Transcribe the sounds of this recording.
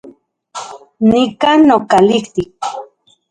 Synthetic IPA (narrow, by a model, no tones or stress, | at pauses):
nikanːokaliht̪ik̚